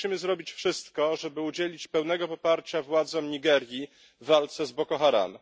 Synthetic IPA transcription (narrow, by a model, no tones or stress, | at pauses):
imɘzɾɔbʲit͡ɕfʂɘst̪kɔʐɛbɘud͡ʑelʲit͡ɕpɛwnɛɡɔpɔpaɾt͡ɕavwad̪zɔmɲiɡɛɾʲji | valt̪sɛzbɔkɔxaɾa̰n